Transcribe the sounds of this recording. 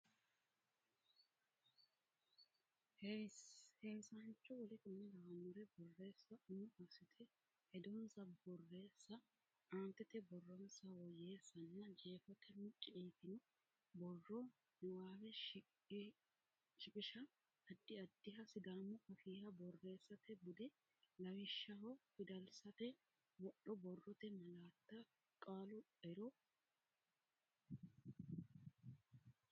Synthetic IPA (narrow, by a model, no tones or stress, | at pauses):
heshejsɐnt͡ʃːɔwɔlɪkʊnːɛd̪ɐwɐnʊɾɛbɔrːe̞ːsːɐʔʊnːʊɐsɪt̪ʰɛ | hɛd̪ɔnsɐbɔrːe̞ːsːɐ | aːnt̪ːɛt̪ɛbɔrːɔnsɐwɔje̞ːsːɐnːɐd͡ʒeːfɔt̪ʰɛmɪt͡ʃʼːeːt̪ɪnɔ | bɔrːɔ | nɛwaːwɛ | ʃɪpʼɪʃɐ | ɐd̪ːɪɐd̪ːɪɦɐsɪd̪aːmːʊhɐfiːhɐbɔrːe̞ːsːɐt̪ɛbʊd̪ɛ | lɐwɪʃːɐɦɔfɪd̪ɐlsɐt̪ɛ | wɔɗɔbɔrːɔt̪ɛmɐlaːt̪ːɐ | kʼaːlʊ | ɛɾɔ